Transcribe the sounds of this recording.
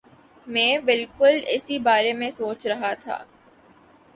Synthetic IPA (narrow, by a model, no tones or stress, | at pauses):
mɛ̃ːbɪlkʊlɪsibaːɾemẽsoːt͡ʃɾɐɦat̪ʰa̰ː